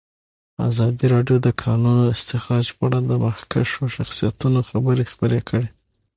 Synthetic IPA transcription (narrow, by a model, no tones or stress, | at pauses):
a̰zɑd̪iɾɑɖjod̪əkʰɑnunɪst̪ɪxɾɑd͡ʒpɑɽad̪əmahkaʃoʃaxsijat̪unoxabəɾexbəɾekʰəɽe